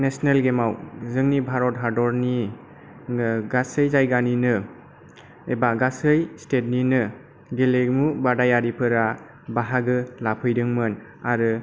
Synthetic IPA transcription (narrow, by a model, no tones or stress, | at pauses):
nesnelɡemawzɯŋnibʱaɾɔt̚ɦaɾdɔɾni | ɡasɯjzajɡaninɯ | ebaɡasɯjstet̚ninɯ | ɡeleɡmubadajaɾipʰɯɾa | baɦaɡɯlapʰɯjdɯŋmɯn | aɾɯ